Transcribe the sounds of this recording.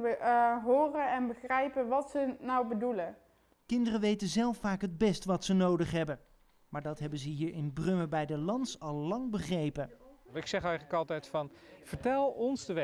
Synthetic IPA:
əɦoːrənɛnbəχrɛjpənʋɑtsənawbədulə | kɪndərəʋejtənzɛlˠfaːkɦəd̚bɛstʋɑtsənowdəχɦɛbən | maːɹdɑtɦɛbənzəɦiːɹʔɪnbrɵməbɛjdəlɑntsɑlˠːɑŋbəχrejpəɪksɛχɛjχələkɑlˠtɛjtfɑnv̥əɹtɛlˠɔnsdəʋɛ

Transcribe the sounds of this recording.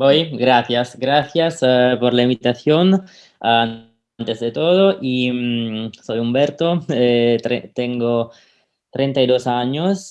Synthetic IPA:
bojɡɾaθjasɡɾaθjaspoɾlaimbit̪aθjon | a | nt̪esd̪et̪oðoʔimsojumbɛɾt̪oet̪ḛt̪eŋɡo | t̪ɾʔent̪ajd̪osaɲos

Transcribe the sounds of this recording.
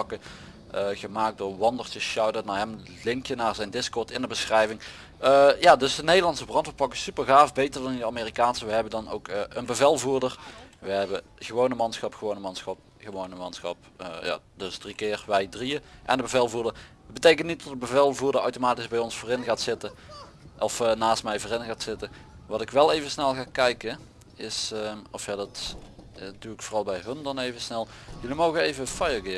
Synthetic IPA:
pɑkə | əɣəmaːk̚doːɹʋɑndəɹtəsʃɑwdənaːɹɦɛm | lɪŋkjənaːɹzɛjndɪskɔɹtɪndəbəsxrɛjvɪŋ | jaːdɵsdənejdəlɑntsəbrɑntfəpɑkɪsypəɹɣaːfbejtəɹdɑnɪndəaːmeːrikaːnsəʋəɦɛbəndɑno̰wkːʔənbəvɛlˠvuːɹdərʋəɦɛbə | ɣəʋownəmɑnsxɑpxəʋownəmɑnsxɑp̚ | χəʋownəmɑnsxɑ̰p | ja̰dɵsdrikɪːrʋɛjdriəʔɛ̰ndəbəvɛlˠvuːdər | ətbətejk̬əntnit̚dɔtdəbəvɛlˠvuːɹdərœwtomaːtizbɛjɔnsfoːrɪnɣaːtsɪtə | ɔfnaːstmɛjvoːrɪnɣaːtsɪtə | ʋɑtɪkʋɛlˠejvənsnɛlˠɣaːkɛjkə | ɪsɔfhadɑt | d̥uɪkfoːrɑlˠbɛjɦɵndɑnejvəsnɛlˠ | jɵlimowɣənejvəfɑjəɡɪ

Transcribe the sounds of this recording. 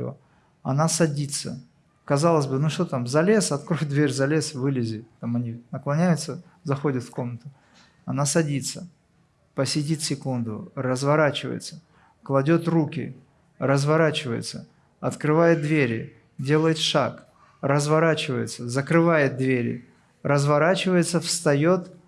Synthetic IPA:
ə̰ | ɐnasɐdʲit̪sə | kɐzɑlˠəsʲbɨnuʂt̪o̞t̪amzɐlʲe̞sɐt̪kɾojd̪vʲeɾʲzɐlʲe̞svɨlʲɪzʲɪt̪t̪amɐnʲinəklˠɐnʲæjʊt̪sə | zɐxo̞dʲət̪fko̞mnət̪ʊ | ɐnasɐdʲit̪sə | pəsʲɪdʲit̪sʲɪkund̪ʊ̰rəzvɐɾat͡ɕɪvə̰jɪ̰t̪sə | klˠɐdʲo̞t̪rukʲɪ̰ | rəzvɐɾat͡ɕɪvə̰jɪ̰t̪sə | ɐt̪kɾɨvajɪt̪̚d̪vʲeɾʲɪ | dʲe̞lˠəjɪt̪ʂak | rəzvɐɾat͡ɕɪvəjɪ̰t̪səzəkɾɨvajɪt̪̚d̪vʲeɾʲɪ̰ | rəzvɐɾat͡ɕɪvəjɪt̪səfst̪ɐjo̞t̪

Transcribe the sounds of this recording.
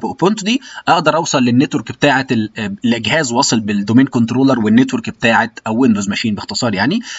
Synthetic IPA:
bʔopont̪d̪iːʔɑʔd̪ɑɾˤʔɑwsˤɑlːenːet̪weɾkbet̪aːʕet̪lʔeɡhæːzwɑːsˤelbed̪omeːnkont̪ɾoːlɑɾˤwenːet̪weɾkbet̪aːʕet̪ʔæwːend̪ozmæʃiːnbext̪esˤɑːɾˤjaʕni

